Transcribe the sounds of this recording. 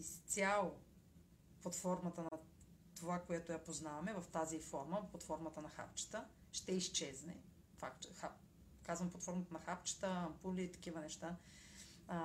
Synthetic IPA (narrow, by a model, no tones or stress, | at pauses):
ist̪sʲalˠo | pot̪fɔɾmət̪ənɐ | t̪ovakojɛt̪ojapoznavɐmɛvɐft̪azifɔɾməplˠot̪fɔɾmɐt̪ənɐxa̰pt͡ʃə̥t̪əʃt̪ɛist͡ʃɛznɛ̰ | fakxa | kazvəmplˠɐt̪fɔɾmət̪ənɐxapt͡ʃə̥t̪əɐmpulʲit̪ɐ̥k̟ivənɛʃt̪a